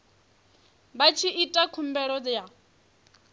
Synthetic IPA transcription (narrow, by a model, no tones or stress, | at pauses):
bat͡ʃʰiitʼakʰumbɛɺɔd͡zja